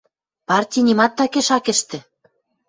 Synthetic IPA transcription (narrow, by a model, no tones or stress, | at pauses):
pɑrtʲijnʲimɑt̪ːɑkeʃɑkɘ̆ʃt̪ɘ̆